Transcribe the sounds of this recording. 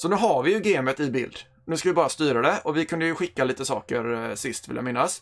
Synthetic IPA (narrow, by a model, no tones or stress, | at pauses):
sɔnʉ̟ːɦaɾvɪjɵɡeːmət̪ɪbɪ̰ld̪ | nʉ̟ːskavɪbɑːɾast̪yːɾad̪ɛɔvɪkʰɵnd̪əjɵɧɪkːaliːt̪əsɑ̰ːkəɾsɪst̪vɪlja̰mɪnːas